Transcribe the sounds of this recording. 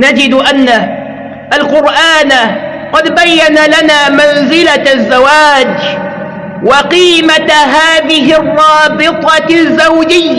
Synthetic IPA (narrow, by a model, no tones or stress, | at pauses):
nad͡ʒɪd̪ʔanːa | ʔalqʊɾʔaːna | qɑd̪bajːanalanaːmanzɪlazːawaːd͡ʒ | wʔɪqiːmaɦaːðɪɦɪrˤːɑːbɪt̪ˤɑzːawd͡ʒɪjːa